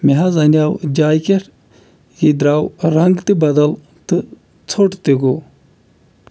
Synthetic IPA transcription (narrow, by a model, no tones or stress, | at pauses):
meɦazɐnjaːwd͡ʒaːjkeʈ | jid̪ɾaːwɾɐŋɡt̪ibɐd̪ɐl | t̪ɨ | t͡sʰoʈt̪iɡo